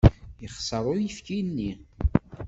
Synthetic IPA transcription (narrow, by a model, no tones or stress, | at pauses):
jəχsˤəɾˤʊjifkinːi